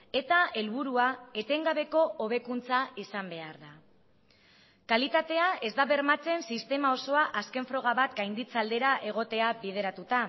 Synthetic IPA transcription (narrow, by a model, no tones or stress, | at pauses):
e̞t̪ae̞lβuɾuae̞t̪e̞ŋɡaβe̞ko̞ʔoβ̞e̞kunt͡saisambe̞aɾða | kalit̪at̪e̞ae̞zd̪aβe̞ɾmat͡se̞nsist̪e̞mao̞so̞aʔaske̞ɱfɾo̞ɣ̞aβat̪ɡajnd̪it͡sald̪e̞ɾaʔe̞ɣ̞o̞t̪e̞aβiðe̞ɾat̪ut̪a